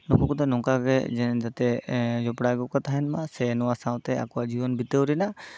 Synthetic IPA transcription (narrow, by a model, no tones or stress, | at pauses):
nɔkukut̪ɛnɔŋkaɡɛ̰d͡ʒɛnd͡ʒat̪ɛd͡ʒɔpɽaɡɔkat̪aɦɛnmasɛnɔwasaw̃t̪ɛa̰kuad͡ʒibɔnbit̪əwɾɛna